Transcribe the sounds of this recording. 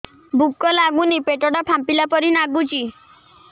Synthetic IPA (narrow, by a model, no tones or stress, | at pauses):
bʱukːɔlaɡunipeʈɔɽapʰampilapɔɾinaɡut͡ʃi